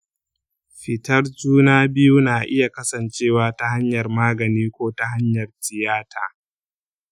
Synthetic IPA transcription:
ɸɪ˨tɐ˦rd͡ʒuː˦naː˦bɪ˦ju˦naː˨ʔɪ˦ja˨kɐ˦sɐ˨nt͡ʃeː˦˨waː˦ta˦ɦa˦ɲjɐ˨rmaː˦ɡɐ˨niː˦kʷoː˦ta˦ɦa˦ɲjɐ˨rtɪ˨jaː˦tʰaː˨

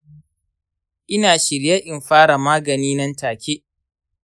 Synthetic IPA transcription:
ʔɪ˦naː˨ʃɪ˨ɾja˦ʔɪ˨mɸaː˦ɽa˨maː˦ɡɐ˨niː˦nɐ˦ntaː˨kʲe˦ʔ

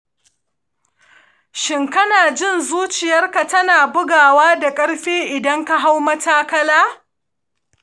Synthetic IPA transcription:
ʃɪ˦˨ŋkɐ˦naː˨d͡ʒɪ˦nzuː˦t͡ʃɪ˨jɐ˦rka˨tɐ˦naː˨bʊ˦ɡaː˨waː˦da˨kʼɐ˦ɽɸeː˦ʔɪ˨dɐ˦ŋka˦ɦa˦wmɐ˦taː˦kɐ˦laː˦

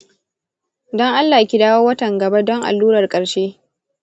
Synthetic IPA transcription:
dɔ˦ŋʔa˦lːaː˨ja˦kʲi˨daː˦woː˦wɐ˦tɐ˨ŋɡɐ˨ba˦dɔ˦ŋʔa̰˨lːuː˦ɾɐ˨rkʼɐ˨ɾʃeː˦

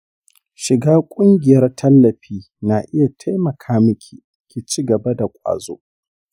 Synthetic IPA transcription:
ʃɪ˨ɡaː˦kʷʼʊ˦ŋɡʲɪ˨jɐ˦rtʰɐ˦lːɐ˨ɸiː˦ | naː˨ʔɪ˦ja˨tʰa˦jmɐ˨kʰaː˦mʊ˦kʲʰi˨kʲiː˨t͡ʃiː˦ɡɐ˨ba˦da˨kʷʼa̰ː˨zo̰ː˦ʔ

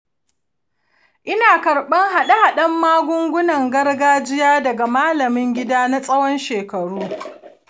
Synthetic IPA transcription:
ʔɪ˦naː˨kɐ˨ɽɓɐ˦ŋɦa˨ɗa˦ha˨ɗɐ˦mːaː˦ɡʷʊ˦ŋɡʷʊ˦nɐ˨ŋɡɐ˦rɡaː˦d͡ʒɪ˦jaː˦dɐ˨ɡa˨maː˦lɐ˨mɪ˦ŋɡʲɪ˦daː˦na˦sʼɐ˦wɔ˦nʃeː˨kɐ˨ɽuː˦

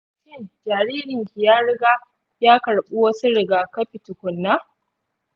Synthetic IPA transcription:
t͡ʃɪ˦˨d͡ʒaː˨ɾiː˦ɾɪ˨ŋkʲi˨jaː˦ɽɪ˦ɡa˦ | jaː˦kɐ˨ɽɓu˦wɐ˦su˦ɽɪ˦ɡaː˨kɐ˦ɸi˨tʊ˨kʷʊ˨nːa˦

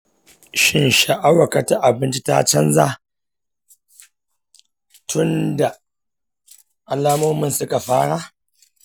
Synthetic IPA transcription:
ʃɪ˦nʃa˨ʔa˦wa˨ka˨ta˦ʔa˨bɪ˦nt͡ʃi˦ta̰˦t͡ʃɐ˦nza˦ | tʰʊ˦nda˨ | ʔa˨laː˦moː˦mɪ˦nsʊ˦ka˨ɸaː˦ɽaː˦

